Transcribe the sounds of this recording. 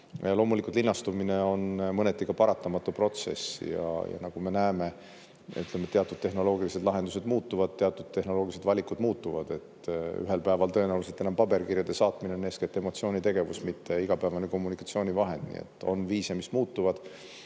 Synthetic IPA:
jɑlo̞ːmulikˑult̪linːɑst̪umine̞o̞nmɤnet̪ːˑikɑpɑɾɑt̪ːɑmɑt̪ːupro̞t̪se̞̰sḭjɑ̰jɑ̰nɑɡ̥ume̞næeme̞ | yt̪lemet̪eɑt̪ːˑud̪̥̚t̪e̞ɦno̞lo̞ːɡilised̪lɑɦe̞nd̪use̞d̪̥muːt̪ːuvɑd̪̥̚t̪e̞ɑt̪ːˑud̪̥̚t̪e̞hno̞lo̞ːɡilised̪̥vɑlʲikˑud̪̥muːt̪ːuvɑd̪̥e̞t̪y̰ɦe̞lpæevɑlt̪ɤ̞enæwluset̪enɑmpɑbe̞rkirjɑd̪̥e̞sɑːt̪minene̞ːsket̪ːe̞mo̞t̪sio̞ːnʲit̪e̞ɡe̞vusmit̪ːe̞iɡ̥ɑpæevɑneko̞mːunikˑɑt̪sio̞ːnʲivɑɦe̞nd̪̥̚nḭḛt̪ːˑo̞̰nviːsemismuːt̪ːuvɑd̪̥

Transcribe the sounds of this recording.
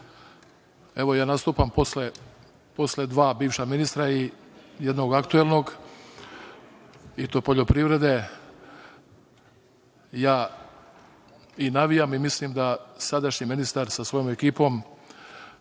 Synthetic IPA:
e̞ʋo̞jaːnast̪uːpamposle | po̞sle̞d̪ʋaːbiːʋʃaminist̪ɾaijed̪no̞ɡakt̪uelˠno̞ɡ | it̪opo̞ʎo̞pɾiʋɾe̞d̪e̞ | jaː | inaʋijamimislimd̪asad̪aʃɲiminist̪aɾsasʋo̞jo̞mekiːpo̞m

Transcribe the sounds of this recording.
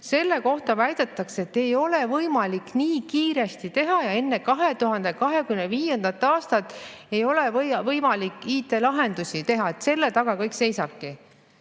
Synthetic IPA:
se̞lːe̞ko̞ht̪ɑvæjd̪̥et̪ːˑɑkse̞t̪ːe̞jo̞le̞vɤjmɑlikniːkiːɾe̞st̪it̪e̞ɦɑjɑe̞nːe̞kɑɦe̞t̪uɦɑnd̪̥e̞kɑɦe̞kymneviːje̞nd̪ɑt̪ːˑɑːst̪ɑt̪ːˑe̞jo̞levɤvɤjmɑlikːˑiːt̪ːˑe̞lɑɦe̞nd̪̥usit̪e̞ɦɑet̪se̞lːe̞t̪ɑɡ̥ɑkɤjkse̞jsɑb̥̚ki

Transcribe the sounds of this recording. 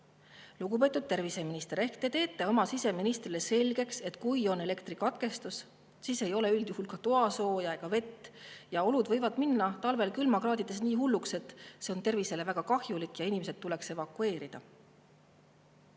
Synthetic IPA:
luɡ̥upe̞ːt̪ːˑud̪̚t̪e̞rvise̞minist̪e̞ɾe̞hkt̪et̪e̞ːt̪ːˑe̞o̞mɑsise̞minist̪rile̞se̞lʲɡ̥e̞kse̞t̪ːˑkujo̞ne̞le̞kt̪rikɑt̪ke̞st̪us | siːse̞jo̞le̞yld̪̥juhulkɑt̪oɑso̞ːjɑeɡ̥ɑve̞t̪ːˑjɑo̞lud̪vɤ̞jvɑd̪̥minːɑt̪ɑlve̞lkylmɑɡrɑːd̪id̪̥e̞s̬niːɦulːukse̞t̪ːˑse̞o̞nt̪e̞rvise̞le̞væɡ̥ɑkɑhjulikːˑjɑinimesed̪̚t̪ːulekse̞vɑkue̞ːɾid̪̥ɑ̰

